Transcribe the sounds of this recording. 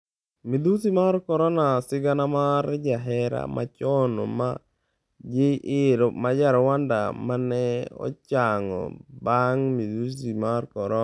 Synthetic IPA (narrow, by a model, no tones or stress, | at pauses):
mid̪usimaɾkɔɾɔnasɪɡanamaɾd͡ʒaɦɛɾa̰mʔa̰t͡ʃɔnɔ̰ma | d͡ʒɪʔɪɾmad͡ʒaɾɔwanda̰manɛɔ̰t͡ʃaŋɔ̰baŋmid̪usimaɾkɔɾɔ